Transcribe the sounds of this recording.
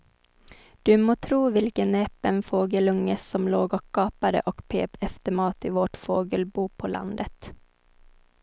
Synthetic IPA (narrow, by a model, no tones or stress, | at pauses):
d̪̥ʉːmoːt̪ʰɾuːʋɪlkəneːpənfoːɡəlɵŋəsɔmloːɡɔkkɑːpɑɾə̰ʔɔkpʰḛːpɛft̪əmɑːt̪iːʋoːʈfoːɡəlbuːpʰoːlʔɑ̰nd̪ət̪